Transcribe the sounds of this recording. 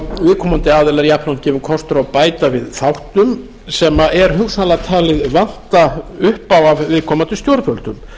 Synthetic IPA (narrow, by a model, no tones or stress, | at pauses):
vɪːðkʰɔːmant̪ɪaːðɛlaɾjahpnancɛːvʏmkʰɔst̪ʏɾawpaːjt̪avɪðθawht̪ʏm | sɛmaʔɛɾ̥ɦʏksalat̪ʰaːlɪðvan̥t̪aʏhpawavvɪðkʰɔːmant̪ʏst̪jowɾðfœlt̪ʏm